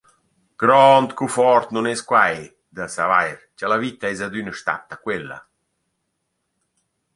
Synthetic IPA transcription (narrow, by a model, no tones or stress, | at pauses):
ɡ̥ɾɔnt̪kufɔɾt̪nunɛskwaj | d̪asavajɾt͡ʃalavit̪aɛzad̪ynəʃt̪a̰t̪ːakwelːa̰